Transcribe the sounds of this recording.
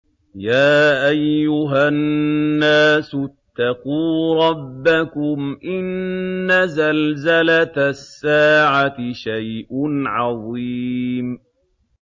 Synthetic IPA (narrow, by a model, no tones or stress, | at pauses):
jaːʔajːʊɦaː | aːsʊt̪ːɑquːɾˤɑbːakʊmʔɪnːazalzalat̪sːaːʕat̪ɪʃajʔʊnʕɑðˤiːm